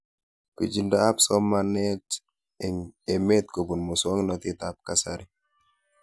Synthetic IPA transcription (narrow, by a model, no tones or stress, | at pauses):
pid͡ʒindaːpsɔmanɛt | ɛŋɛmet̪̚kobunmuswɔŋnɔt̪itap̚kasaɾi